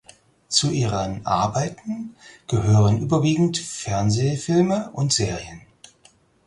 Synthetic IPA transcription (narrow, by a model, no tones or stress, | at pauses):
t͡suʔiːʁənʔa̰ɐbaɪtn̩ɡ̥əhøːʁənʔyːbɐviːɡŋ̩tfɛɐnzeːfɪlməʔʊntz̥eːʁiən